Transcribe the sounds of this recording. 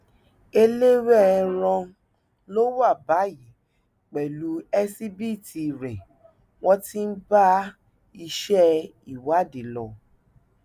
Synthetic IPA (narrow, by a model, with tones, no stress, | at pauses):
e˧le˦wɛ˦˨ɛ̃˧ɾ̃ɔ̃˧ | lo˦wa˦˨ba˨˦ji˨˦ | k͡pɛ˨lu˨˦ɛ˦si˦bi˦˨ti˧ɾɛ˨ | w̃ɔ̃˦ti˦n̩˦ba˦ | i˧ʃɛ˦ | i˦˨wa˦˨de˨lɔ˧˨